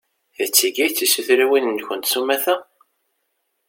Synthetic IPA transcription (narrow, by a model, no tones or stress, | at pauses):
θət͡sːiɡæjt͡sːisəθɾæwinənçənt̪sumæθæ